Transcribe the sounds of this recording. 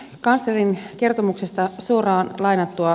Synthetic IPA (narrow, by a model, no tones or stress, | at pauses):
kɑnst̪erinke̞rt̪omukse̞st̪ɑsuorɑːnlɑjnɑt̪ːuɑ